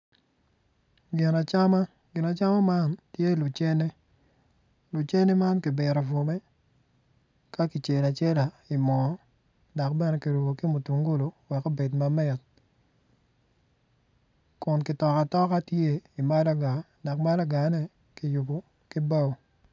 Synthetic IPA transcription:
ɡɪ˨na˨t͡ʃa˦ma˦ | ɡɪ˨na˨t͡ʃa˦ma˦ma˦ntje˦˨lʊ˨t͡ʃe˦ne˦ | lʊ˨t͡ʃe˦ne˦ma˦nkɪ˨bɪ˨ɾɔ˨vo˨me˦ | ka˦ki˨t͡ʃe˨la˨t͡ʃe˦la˨ | i˨mɔ˨˦ | dɔ˨k̚bɛ˦nɛ˨˦ki˨ɾu˨bo˨ki˦mʊ˨tu˨ŋɡo˦lo˨wɛ˨ko˦be˨tma˨mɛ˦˨t̚ | kʊ˨nkɪ˨tɔ˨ka˨tɔ˦ka˦tje˦i˨ma˦la˦ɡa˨ | dɔ˨kma˦la˦ɡa˨˦nɛ˦ | kɪ˨jʊ˨bo˨ | kɪ˦ba˦w

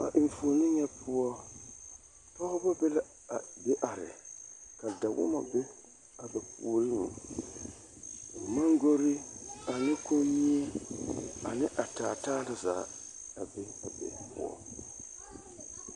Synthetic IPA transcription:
a̰˨ʔɪ˨ɱfo˨nɪ˦ɲɛ˦pʊ˦ɔ˦ | tɔ˦hʊ˦ba˦bɛ˦la˦˨ | be˦ʔa˨ɾɪ̰˨ka˨da˨wʊ̰˦ma̰˨be˦ | a˨bɛ˨puː˨ɾɨ˦ŋ˨ | ma˦ŋɡo˦ɾi˦a˨nɪ˦ko˦mi˦ɛ˦ | a˨nɪ˦ʔa˨taː˨taː˦la˨za̰ː˨˦ | a˨be˦a˨bḛ˨pʊ̰˦ɔ̰˦

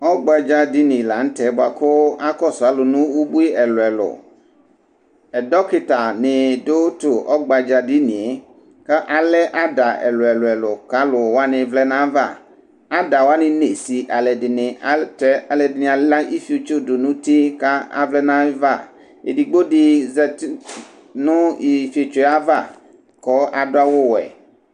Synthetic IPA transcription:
ɔ˦ɡ͡ba˨d͡ʒa˦di˦nɪ̃˨la˨˦ŋ̩˦t̪ɛ˨˦bo˨a˨kʊ˦a˦kɔ˦sʊ˨a˨lʊ˨nũ˦wu˦bu˦i˦ɛ˨lʊ˨ɛ˨lʊ̰˨ | ɛ˨dɔ˦kɪ˨t̪a˨nɪ˨do˦t̪ʊ˨ʔɔ˦ɡ͡ba˨d͡ʒa˨di˦nĩ˨e˨˦ | ka˦ʔa˨lɛ˦ʔa˦da˨ɛ̰˨lʊ˨ɛ˨lʊ˨ɛ˨lʊ˨ka˨˦lʊ˨wo˦a˦nɪ̃˨vlɛ˦nã˦va˦˨ | a˦da˨wa˦nɪ̃˨ne˨si˨ʔa˨lɛ˨dɪ˨nɪ̃˨a˨˦tɛ˦a˨lɛ˨dɪ˨nĩ˨a˨la˦ʔi˦fi˨o˨t͡ʃo˦do˨nũ˦t̪i˦ka˦a̰˦vlɛ˦nã˦va˦˨ | ḛ˨di˨ɡ͡bo˦di˨zɛ˨t | nũ˦i˨fi˨o˨t͡ʃo˦a˦va˦˨ | kɔ˦ʔa˨dʊ˦a˦wo˦wɛ̰˨

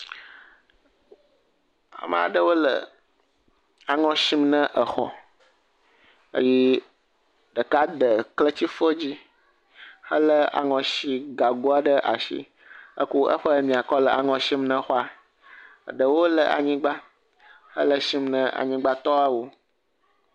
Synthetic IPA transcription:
a̰˨mə̰˨a̰˨ɖə˦wo˦lə̰˨ | a˨ŋɔ̃˨ʃi˦mnə̃˦ʔə˨xɔ̰˨ | ə̰˦ji˦ | ɖə˨ka˦ɖ̪ə˨klə˦t͡ɕi˦fə˦d͡ʑi˦ | hə˦lə˦a̰˨ŋɔ̃˨ʃi˦ɡa˨ɡo˦a˦ɖə˦ʔa̰˨ʃḭ˦ | ə̰˦ku˦ə̰˦ɸɔ˦ə˦mĩ˨a˨kɔ˦lə˨a̰˨ŋɔ̃˨ʃi˦mnə̃˦xɔ˦a˨ | ə˨ɖə˨wo˦lə˨ʔa̰˨ɲĩ˦ɡ͡ba˦ | hə̰˦lə˨ʃi˦mnə̃˦a̰˨ɲĩ˦ɡ͡ba˦t̪ɔ˦a˦wo˦

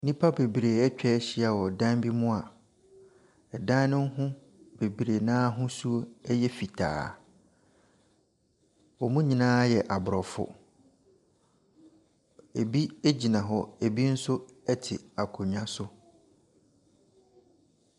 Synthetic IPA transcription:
nĩ˦pʰa˦be˨bɾe˨ɛ˦t͡ɕᶣɛ˦ɕɪ˦a˨wɔ˨dã˦nbi˦mʊ̃˦a˨ | ɛ˨dã˦n˦nʊ̃˦ŋ˦ɦʊ̃˦ | b̥e˨bɾe˨nãː˦ɦʊ̃˦su˦o˦ɛ˦jɛ˦fi˨tʰa̰ː˨ | ɔ˨mũ˦ɲĩ˨nãː˦jɛ˨ʔa˨bʊ˨ɾɔ˨fʊ̰˦ | e˨bi˦e˦d͡ʑi˨nã˨ɦɔ˦e˨bi˦n̩˦sʊ˦ɛ˦tʰɪ̰˨a˨kʰʊ˨ɲã˦sʊ˦

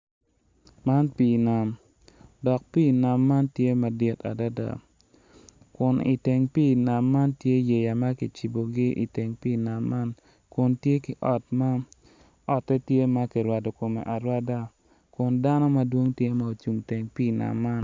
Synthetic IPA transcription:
ma˦npiː˨na˨m | dɔ˨k̚piː˦˨na˨mːa˦ntje˦ma˨dɪ˦ta̰˨da˦da̰˨ | kʊ˨nḭ˨te˨ŋpi˦˨na˨mːa˦ntje˦je˨ja˨ma˦ki˨t͡ʃi˨bo˨ɡɪ˦ʔḭ˨te˨ŋpiː˦˨na˨mːa˦n | kʊ˨ntje˦kɪ˨ʔɔ˦tma˦ | ɔ˦tɛ˦tje˦ma˦kɪ˨ɾwa˨do˨ko˨mḛ˨ʔa˨ɾwa˦da˦ | kʊ˨nda˦nɔ˦ma˦dwo˦ŋtje˦ma˦o˨t͡ʃu˨mte˨ŋpiː˦˨na̰˨mːa˦n

